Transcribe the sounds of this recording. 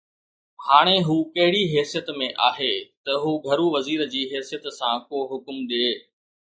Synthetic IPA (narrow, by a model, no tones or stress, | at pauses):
haːɽ̃eɦuːkɐɦɪɽiɦɛːsijət̪mẽʔaːɦet̪ɐɦuːɡʱɐɾuʋɐziːɾd͡ʑiːɦɛːsijət̪sãkoːɦʊkmɗ̪eː